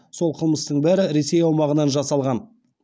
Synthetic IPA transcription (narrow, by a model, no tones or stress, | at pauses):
so̞lˠqʰəlˠməst̪əɴbæɾɪɾe̞se̞jɑwmɑʁənɑnʒɑsɑlˠʁɑn